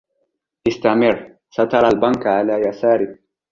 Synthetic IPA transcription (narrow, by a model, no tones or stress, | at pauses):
ʔɪst̪amɪɾ | sat̪ɑɾˤalbankʕalaːjasaːɾɪ